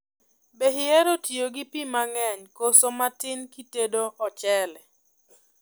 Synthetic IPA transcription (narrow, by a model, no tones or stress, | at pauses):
beɦɪɛɾotioɡipimaŋɛɲkosomatɪnkitedoʔɔt͡ʃɛlɛ